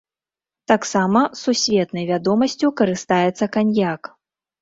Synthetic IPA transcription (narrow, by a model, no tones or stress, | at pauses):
t̪aksamɐsːusʲvʲɛt̪nɐjvʲad̪ɔmɐsʲt͡sʲukɐɾɨst̪ajɛt̪sɐkanʲjak